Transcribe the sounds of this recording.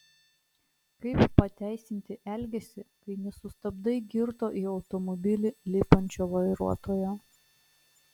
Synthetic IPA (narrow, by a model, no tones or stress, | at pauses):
kɐɪppɐt̪ʲæˑɪsʲɪnʲt̪ʲɪʔɛlʲɡʲɛsʲɪkɐɪnʲɛsʊst̪ɐbd̪ɐɪɡʲɪɾt̪oːʔiːɒʊt̪ɔmɔbʲɪlʲɪlʲɪpɐnʲt͡ʃʲoːʋɐɪɾuɔt̪oːjoː